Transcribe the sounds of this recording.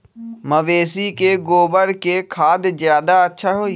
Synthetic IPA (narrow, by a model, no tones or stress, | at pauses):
məʋeːsikeɡoːbəɾkekʰaːd̪zjaːd̪aətːʃʰaɦoːi